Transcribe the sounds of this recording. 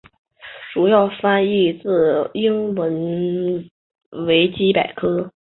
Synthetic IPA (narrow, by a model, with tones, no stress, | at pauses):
ʈ͡ʂu˨˩jɑ˥˩ʊfa˥ni˥˧t͡sɹ̩˥˩i˥ŋwə˧˥n | we˧˥ɪt͡ɕi˥pa˨˩ɪkʰɤ˥